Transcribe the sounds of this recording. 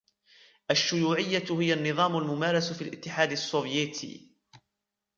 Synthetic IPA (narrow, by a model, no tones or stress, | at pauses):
ʔaʃːʊjuːʕɪjːahɪjanːɨðˤɑːmʊlmʊmaːɾˤɑsfiːlʔɪt̪ːɪħaːd̪asˤːoːvjɛt̪ʰḭː